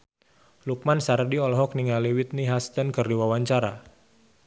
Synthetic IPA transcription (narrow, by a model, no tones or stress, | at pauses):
luk̚mansardiɔlɔɦɔk̚niŋaliwit̪̚niɦast̪ənkərdiwawaɲt͡ʃaɾa̰